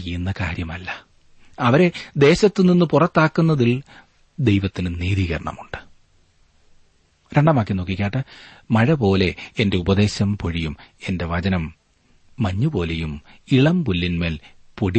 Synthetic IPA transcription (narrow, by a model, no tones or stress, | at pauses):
ijunːɐkaːɾjɐmɐlːɐ | ɐʋɐɾe̞d̪e̞ːɕɐt̪ːɨninːɨpurɐt̪ːaːkːunːɐðil | d̪e̞jʋɐt̪ːinɨniːðiɣɐ̰ɾɐɳɐ̰muɳɖɨ̥ | ɾe̞ɳɖɐmaːk̬ːino̞ːkːikʲːaːʈːɨmɐɻɐpo̞ːle̞ende̞ubɐðe̞ːɕɐmpo̞ɻijume̞nde̞ʋɐd͡ʑɐnɐmː | ɐɲːubo̞ːle̞jumiɭɐmpulːinme̞ːlpoɽi